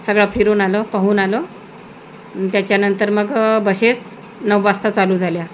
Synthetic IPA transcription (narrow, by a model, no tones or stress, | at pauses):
səɡɭafʰiɾuːnaləpaɦuːnalə | t̪jat͡ɕjanənt̪əɾməɡbəɕes | nəʋʋast̪at͡saluːd͡zʱalja